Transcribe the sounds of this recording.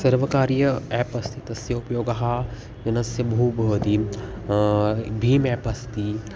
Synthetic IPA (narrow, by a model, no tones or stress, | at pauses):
sɐɾʋɐkaːɾjɐɛːpɐst̪ʰit̪ɐsjɐupɐjoːɡɐɦa | jɐnɐsjɐbʱubɐʋɐd̪i | bʱiːmɛːpɐst̪i